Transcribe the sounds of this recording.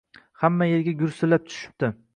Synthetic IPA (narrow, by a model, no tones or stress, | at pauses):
hamːajeɾɡʲaɡʲʊɾsʊlːap̚t̪ʰʊ̥ʃɪ̥p̚t̪ɪ